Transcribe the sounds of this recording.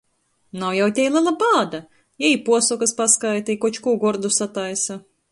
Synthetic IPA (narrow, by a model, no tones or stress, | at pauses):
nawjawt̪ʲɛjlˠalˠabaːd̪a | jɛjpuɔsɔkaspaskajt̪ajkɔt͡ʃkuːɡɔɾd̪usat̪ajsa